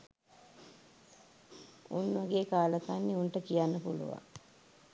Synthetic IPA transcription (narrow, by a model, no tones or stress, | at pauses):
unːʋɐɡeːkaːləkanːiunʈəkijanːəpulṵʋa̰ŋ